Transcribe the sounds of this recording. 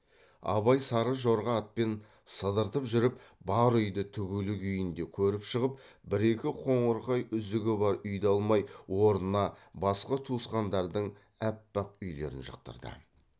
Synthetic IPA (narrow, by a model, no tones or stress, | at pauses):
ɑ̰βɑjsɑɾəʒo̞ɾʁɑɑt̪̚pe̞n | səd̪əɾt̪əpʒʏɾɪpbɑɾʏjd̪ɪt̪ʰʏɡʲelɪkʲʰʏjɪnd̪e̞kʲʰɵɾɪpʃəʁəpbɪɾe̞kʲɪqʰo̞ɴəɾqɑjʏzɪɡʲɪbɑɾʏjd̪eɑlˠmɑjwo̞ɾnnɑbɑsqɑt̪ʰusqɑnd̪ɑɾd̪əɴ | æpːɑqʏjle̞̰ɾɪ̰nʒə̰q̚t̪ə̰ɾd̪ə̰